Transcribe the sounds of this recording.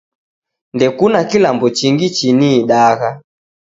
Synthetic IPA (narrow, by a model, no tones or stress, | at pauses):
ndɛkunakilambɔt͡ʃiŋɡit͡ʃiniːɗaɣa